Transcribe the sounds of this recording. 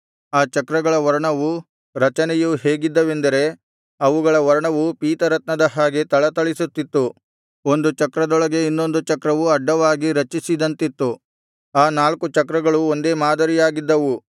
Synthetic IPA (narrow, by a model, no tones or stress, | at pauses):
aːt͡ʃɐkɾɐɡɐɭɐʋɐɾɐɳɐʋu | ɾɐt͡ʃɐnɛjuhe̞ːɡid̪ːɐʋe̞nd̪ɐɾe̞ | ɐʋuɡɐɭɐʋɐɾɐɳɐʋupiːt̪ɐɾɐt̪nɐd̪ɐɦaːɡe̞t̪ɐɭɐt̪ɐɭisut̪ːit̪ːu | o̞nd̪ut͡ʃɐkɾɐd̪ɔɭɐɡe̞inːo̞nd̪ut͡ʃɐkɾɐʋuɐɖːɐʋaːɡiɾɐt͡ʃisid̪ɐnt̪it̪ːu | aːnaːlkut͡ʃɐkɾɐɡɐɭuo̞nd̪e̞ːmaːd̪ɐɾijaːɡid̪ːɐʋu